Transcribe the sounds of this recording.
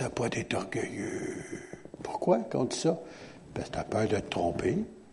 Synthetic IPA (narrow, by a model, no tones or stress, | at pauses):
apɔd̪ɛt̪ɔʁɡəjø | pu̥ʁkwakɑ̰̃t̪y̥sɔ | pat̪apœd̪ət̪ːʁɔ̃pe